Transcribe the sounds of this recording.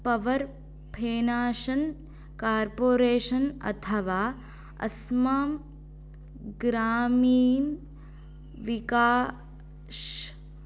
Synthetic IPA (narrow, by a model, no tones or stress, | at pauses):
pɐʋɐɾ | pʰeːnaːʃɐn | kaːɾpoːɾeːʂɐnɐ̰t̪ʰɐʋaː | ɐ̰smaːm | ɡɾaːmiːn | ʋikaː | ʃ